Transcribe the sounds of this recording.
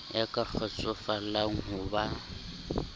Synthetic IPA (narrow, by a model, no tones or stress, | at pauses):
jakʼak͡xʰɔt͡sʼʊfalaŋ̩ɦʊba